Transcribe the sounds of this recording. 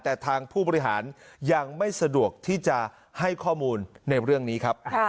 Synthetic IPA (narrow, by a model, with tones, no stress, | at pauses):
t̪ɛː˨˩t̪ʰaː˧ŋpʰuː˥˩bɔː˧i˦˥ɦaː˩˦nja˧ŋma˥˩jsa˧du˨˩ək̚t̪ʰiː˥˩t͡ɕa˨˩ | ha˥˩jkʰɔː˥˩muː˧nːa˧jɾɯ˥˩əŋniː˦˥kʰa˦˥p̚